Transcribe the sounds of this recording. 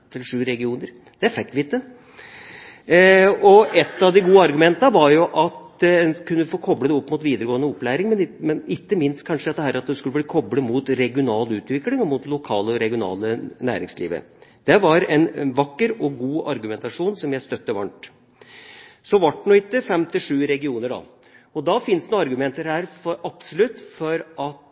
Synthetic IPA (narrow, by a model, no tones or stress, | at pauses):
t̪ʰɪlʂʉːɾɛɡɪuːnəɾ | d̪̥ɛfɛk̚t̪ʋɪɪt̪ːə | ɔɛt̪ːɑʋd̪ɪɡuːəɑɾɡʉmɛnt̪əʋɑɾjʊʔɑt̪ɛkʰʉnːəfoːkʰɔbləd̪ɛɔpːmʊt̪ʋiːd̪əɾəɡoːənəɔpːlæːɾɪŋmɛnmɛnɪkːəmɪnst̪̚kʰɑnʂəd̪ɛt̪ːəhæːɾɑt̪̚d̪ɛskʉlːəbliːkʰɔbɽəmut̪ɾɛɡɪʊnɑːlʉːt̪ʋɪkːlɪŋɔmʊt̪lʊkʰɑːləɔɾɛɡɪʊnɑ̰ːlənæ̰ːɾɪ̰ŋslḭːʋə̰ | d̪̥ɛʋɑɾɛnʋɑkːəɾɔɡuːʔɑɾɡʉmɛnt̪ɑʂuːnsɔmjæɪst̪œt̪ːəʋɑɳʈ | sɔʋɑʈːɳuɪt̪ːəfɛmt̪ɪʂʉːɾɛɡɪuːnəɖɑ̰ | ɔd̪ɑfɪnst̪nuːɑɾɡʉmɛnt̪əɾhæːɾfɔɾɑpsɔlʉt̪ːfɔɾʔɑt̪